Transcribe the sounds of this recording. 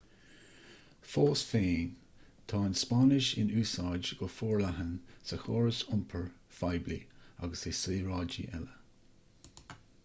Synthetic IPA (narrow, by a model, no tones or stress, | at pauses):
foːsfeːn | t̪ʰɑːɪnspanɪʃɪ̰nuːsɑːd͡ʒɡ̥ɔfɔːɹlaɦənsəxoːɹəsʊmpʰəɹfajblḭa̰ɡəsesiːɹɑːd͡ʒḭʔɛ̰lə